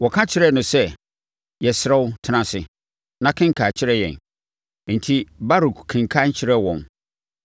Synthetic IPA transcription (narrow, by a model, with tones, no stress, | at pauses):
wɔ˨kʰã˦t͡ɕʰɪ˦ɾɛ˦˨nʊ̃˨sɛ˦ | jɛ˨sɪ˨ɾɛ˦wʊ˦tʰɪ˦nã˦sɪ˨ | nã˦kʰɪ̃˦ŋ˦kʰa˨t͡ɕʰɪ˦ɾɛ˦jɛ̰˨n˨ | n̩˨tʰi˦ba˦ɾu˨kkʰɪ̃˨ŋkʰa˦n˦t͡ɕʰɪ˦ɾɛ˦wɔ̃˨n